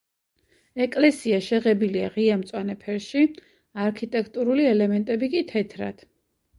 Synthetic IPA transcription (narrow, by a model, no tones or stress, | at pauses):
ɛkʼlɛsiaʃɛʁɛbiliaʁiamt̪sʼwanɛpʰɛɾʃi | aɾkʰit̪ʼɛkʰt̪ʼuɾuliɛlɛmɛnt̪ʼɛbikʼit̪ʰɛt̪ʰɾa̰d̪̥